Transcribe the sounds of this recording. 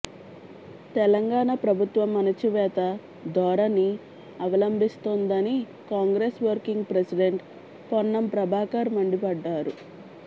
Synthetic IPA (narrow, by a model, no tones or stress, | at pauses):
t̪ɛlɐŋɡaːɳɐpɾɐbʱut̪ʋɐmːɐnɐt͡ʃiʋɛːt̪ɐ | d̪ʱɔːɾɐnːi | ɐʋɐlɐmbʱist̪ond̪ɐni | kaːŋɡɾeːsʋɐɾkiŋɡpɾesiɖe̞ɳʈ | ponːɐmpɾɐbʱaːkɐɾmɐɳɖipɐɖːaːɾu